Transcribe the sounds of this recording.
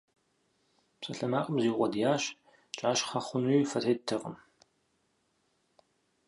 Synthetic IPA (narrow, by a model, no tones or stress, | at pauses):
psʼɐɬɐmaːqʼəmziːʁʷɔdjaːɕ | t͡ʃʼaːɕχɐχʷʊnwijːfɐrʰeːd̚tʰɐqʼəm